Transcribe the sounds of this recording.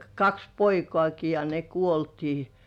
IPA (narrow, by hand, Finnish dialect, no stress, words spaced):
kɑks poikŏɑˑki jɑ ne kuoltiː